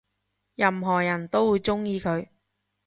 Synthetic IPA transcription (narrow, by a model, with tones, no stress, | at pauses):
jɐ˨mɦɔː˨˩jɐ˨˩nt̪o˥wwuː˨˧jt͡sʊ˥ŋjiː˧kʰɵ˨˧ɥ